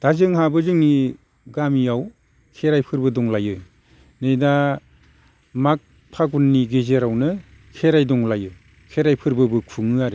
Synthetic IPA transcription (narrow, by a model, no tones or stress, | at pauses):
d̥azɯŋɦabɯzɯŋni | ɡamijaw | kʰeɾajpʰɯɾbɯdɔŋlajɯ | nɯjda | mak̚ | pʰaɡunːiɡezeɾawnɯ | kʰeɾajdɔŋlajɯ | kʰeɾajpʰɯɾbɯbɯkʰuŋɯaɾɯ